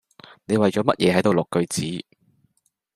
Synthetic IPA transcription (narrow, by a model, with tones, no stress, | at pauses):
ne˨˧jwɐ˨jt͡ʃɔː˨˥mɐ˥t̚jɛː˨˧hɐ˨˥jt̪o˨wlʊ˨kːɵ˧ɥt͡siː˨˥